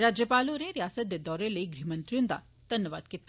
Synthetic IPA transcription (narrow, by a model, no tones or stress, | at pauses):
ɾaːd͡ʒjəpaːloɾeɾijaːsət̪jəd̪ɔːɾeləiɡɾimənt̪ɾjũnd̪a̰ | d̪̥ʱɐnjəʋa̰ːd̪̚kit̪ː